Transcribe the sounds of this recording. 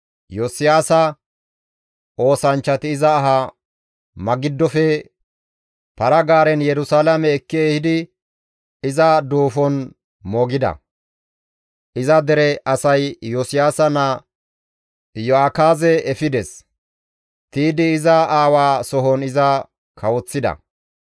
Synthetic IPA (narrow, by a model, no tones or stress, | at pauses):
jɔsɪjaːsɐ | ʔo̞ːsɐnt͡ʃːɐt̪ɪːzɐːɦɐ | mɐɡɪd̪ːɔfɛ | pɐɾɐɡaːɾɛnjɛɾʊsaːlɐmɛːkːɪeːhɪd̪ɪ | ɪzɐd̪uːfɔn | mɔɡɪd̪ɐ̰ | ʔɪzɐd̪ɛɾɛʔɐsɐjjɔsɪjaːsɐnɐ | jɔakaːzɛɛfɪd̪ɛs | t̪iːd̪ɪɪzɐaːwaːsɔɦɔnɪzɐ | kʰɐwɔt͡sːɪd̪ɐ̰